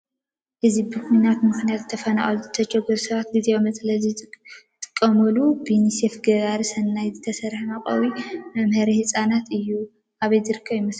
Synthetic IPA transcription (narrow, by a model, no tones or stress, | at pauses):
ʔɨzibɨkinat̪mɨxnijat̪t̪ʰːɐfɐna̰χʼluzɨt̪ʰɐd͡ʒɛɡɐɾsɐβat̪̚ɡizewomɐt͡sʼlɐzit̪ʼɨ̥kʼːɐmɐlubinisefɡɐɡaɾisɐnːajzɨt̪ʰɐsɐɾħnaχʼɐ̰wimɐmhɐɾihɨsʼanat̪ʰɨjːu | ʔaβɐjzɨɾɨkʰːɐβjimɐs